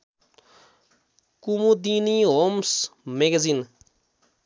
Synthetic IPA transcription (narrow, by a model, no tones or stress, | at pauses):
kumud̪iniɦomsmeɡezin